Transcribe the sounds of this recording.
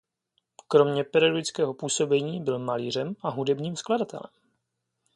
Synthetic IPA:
kɾo̞mɲɛpɛɾioɡɪt͡skɛːɦo̞puːso̞bɛɲiːbɪlmaliːr̝ɛmʔaɦudɛbɲiːmskladat̪ɛ̰lɛ̰m

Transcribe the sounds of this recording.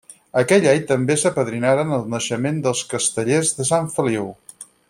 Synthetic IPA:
əkɛʎajt̪əmbesəpəðɾinaɾənəlˠnəʃəmend̪əlˠskəst̪əʎezðəsaɱfəliw

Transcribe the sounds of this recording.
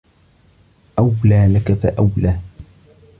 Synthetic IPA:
ʔawlaːlakafa̰ʔawlaː

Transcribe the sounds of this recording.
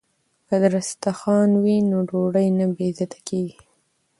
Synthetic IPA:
kəd̪əɾast̪axɑnwinoɖoɽəjnabezat̪ḁkeɡi

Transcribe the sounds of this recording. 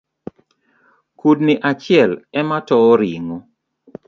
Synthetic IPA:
kudnɪʔat͡ʃɪɛlɛmatɔɾḭŋo

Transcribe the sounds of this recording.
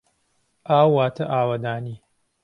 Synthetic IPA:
ʔaːwːaːt̪ʰɐʔaːwɐd̪aːniː

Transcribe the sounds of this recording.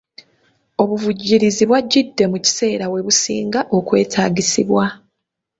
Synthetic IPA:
o̞βuvuɟːiɾiziβwaɟːidːe̞muci̥se̞ːɾawe̞βusḭːŋɡaʔo̞kwe̞̰ːtʰaːɟisiβwa

